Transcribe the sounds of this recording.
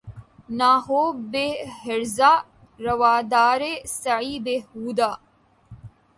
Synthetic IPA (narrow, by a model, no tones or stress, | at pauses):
naːɦoːbeɦɐɾzaː | ɾɐʋaːd̪aːɾesɐʕiːb̪ehuːd̪aː